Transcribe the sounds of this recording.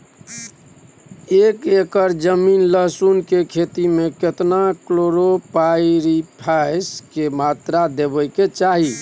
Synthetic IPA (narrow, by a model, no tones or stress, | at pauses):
ekekəɾd͡ʒəminləɦsunkekʰet̪imeket̪nakloɾopaiɾipʰajskemat̪ɾad̪ebəjket͡ʃaɦi